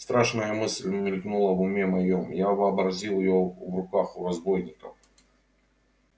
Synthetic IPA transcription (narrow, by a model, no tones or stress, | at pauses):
st̪ɾaʂnəjəmɨsʲlʲmʲɪlʲknulˠɐvʊmʲemɐjomjavɨɐbɾɐzʲilˠɪjovrʊkaxʊɾɐzbojnʲɪkəf